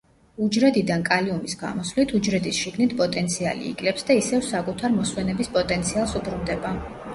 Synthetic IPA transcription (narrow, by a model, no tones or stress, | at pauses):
ud͡ʒɾɛd̪id̪ankʼaliɔmisɡa̰mɔsvlit̪ʰud͡ʒɾɛd̪isʃiɡnit̪ʰpʼɔt̪ʼɛnt̪sʰia̰lḭːɡʼlɛpsd̪aisɛvsakʼut̪ʰaɾmɔswɛnɛbispʼɔt̪ʼɛnt̪sʰialˠsubɾund̪ɛba